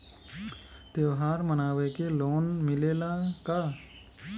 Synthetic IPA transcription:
d̪̥jeʋɦaːɾmənaːʋekeloːnmɪleːlaka

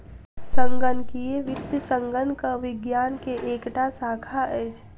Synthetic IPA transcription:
sə̃ŋɡənkieʋɪt̪əsəŋɡənkaʋɪɡjaːnkeʔeːkʈasaːkʰaɛːt͡ʃʰ

